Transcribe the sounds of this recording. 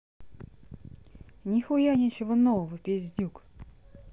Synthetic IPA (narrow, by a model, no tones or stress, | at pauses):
nʲixʊjanʲɛt͡ɕɪvonovəvəpʲɪzʲdʲuk